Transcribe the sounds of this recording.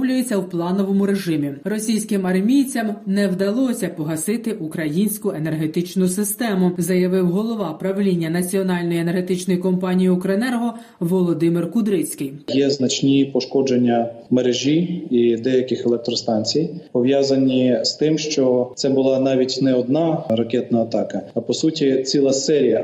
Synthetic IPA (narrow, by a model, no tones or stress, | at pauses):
wlʲʊjet͡sʲːɐwplˠɑnɔʋɔmʊɾe̞ʒɪmʲirɔsʲijsʲkɪmɐrmʲijt͡sʲɐmnɛwd̪ɐlˠɔsʲɐpɔɦɐsɪt̪ɪʔukɾɐjinʲsʲkʊene̞rɦe̞t̪ɪt͡ʃnʊsɪst̪ɛmʊzɐjɐʋɪwɦɔlˠɔʋɑpɾɐʋlʲinʲːɐnɐt͡sʲiɔnɑlʲnɔjiene̞rɦe̞t̪ɪt͡ʃnɔjikɔmpɑnʲijiɔkɾɔenɛrɦɔ | ʋɔlˠɔd̪ɪmɪrkʊd̪ɾɪt͡sʲkɪjjɛznɐt͡ʃnʲipɔʃkɔd͡ʒenʲːɐmeɾeʒʲiid̪ɛjɐkɪxelˠɛk̚t̪ɾɔst̪ɑnʲt͡sʲijpɔʋjɑzɐnʲist̪ɪmʃt͡ʃɔt̪sɛbʊlˠɑnɑʋʲitʲnɛɔd̪̚nɑɾɐkɛt̪nɐːt̪ɑkɐːpɔsutʲit͡sʲilˠɐsɛɾʲijɐ